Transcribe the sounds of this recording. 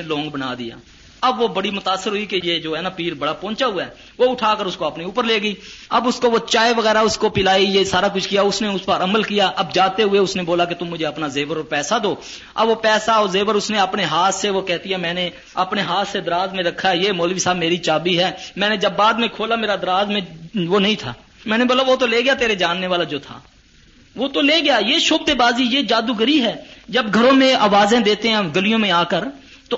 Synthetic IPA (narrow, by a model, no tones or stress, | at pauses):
elõːŋɡbəna̰ːd̪ɪja̰ː | ɐbʋobəɽimʊt̪aːsːəɾɦʊikejeːd͡ʒoːɦɛːnaːpiːɾbəɽaːpɔ̃ːnt͡ʃaɦʊaɛ | ʋoːʊʈʰaːkəɾʊskoɐpniuːpəɾleːɡəiːɐbʊskoʋoːt͡ʃaːeʋəɣɛːɾaʊskopɪlaːijesaːɾaːk̬ʊt͡ʃʰkɪjaːʊsneʊspaːɾəməlkijaːʔɐbd͡ʒaːt̪eɦʊeʊsneboːlaːket̪ʊmːʊd͡ʒʱeɐpnazeːʋəɾopɛːsad̪oː | ɐ̰bʋopɛːsaozeːʋəɾʊsneəpneɦaːt̪ʰseʋoːkɛːt̪iɦɛmɛ̃ːne | əpneɦaːt̪ʰsed̪əɾaːzmẽɾəkʰːaɛjeːmoːlʋiːsaːbmeːɾit͡ʃaːbiɦɛːmɛ̃ːnẽd͡ʒəbːaːd̪mẽkʰoːlaːmeːɾad̪əɾaːzmẽʋoːnəɦĩːt̪ʰa̰ː | mɛ̃ːnẽbət̪labʋoːt̪oleːɡɪjaːt̪eːɾed͡ʒaːnːeʋaːlad͡ʒoːt̪ʰa̰ː | ʋoːt̪oleːɡɪjaːjeːʃoːb̚d̪ebaːzijeːd͡ʒaːd̪uɡəɾiɦɛːd͡ʒəbɡʱəɾõːmẽaːʋaːzẽd̪eːt̪eɦɛ̃ːɡəlijõːmẽaːkəɾ | t̪o